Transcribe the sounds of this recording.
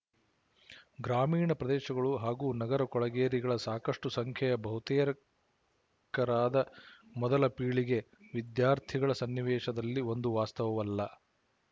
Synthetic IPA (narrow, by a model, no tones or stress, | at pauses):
ɡɾaːmiːɳɐpɾɐd̪ɛːʃɐɡɐɭuɦaːɡuːnɐɡɐɾɐkɔɭɐɡeːɾiɡɐɭɐsaːkɐʂʈusɐŋkʰjɐjɐbɐɦut̪ɛːɾɐ | kɐɾaːd̪ɐmɔd̪ɐlɐpiːɭiɡe | ʋid̪jaːɾt̪ʰiɡɐɭɐsɐnːiʋɛːʃɐd̪ɐlːio̞nd̪uʋaːst̪ɐʋɐʋɐlːɐ